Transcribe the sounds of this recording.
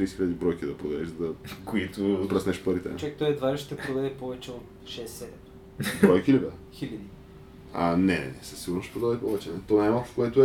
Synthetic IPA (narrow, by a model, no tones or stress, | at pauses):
t̪ɾiːsxiʎʲɐd̪ibɾɔjkid̪ɐpɾod̪ɐɛʃd̪ɐkoit̪opɾɐsnɛʃpɐɾit̪ɛ̰t͡ʃakt̪ɔjɛd̪vaɾʃt̪ɛpɾod̪ɐd̪ɛpɔvɛt͡ʃɛot̪ | ʃɛsːɛd̪ɛm | bɾɔjkʲilʲɐd̪ɐxilʲɐd̪i | anɛnɛsəsiɡʊɾnosʃt̪ɛpɾod̪ad̪ɛpɔvɛt͡ʃɛnɛt̪ɔnajmalˠkofkoɛt̪ʊɛ